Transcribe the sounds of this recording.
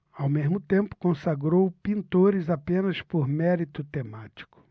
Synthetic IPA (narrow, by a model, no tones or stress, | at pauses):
awmezmʊt̪ẽmpʊ̥kõsaɡɾowpĩnt̪oɾɪzapẽnɐspoɾmɛɾit̪ʊt̪emat͡ʃi̥kʊ̥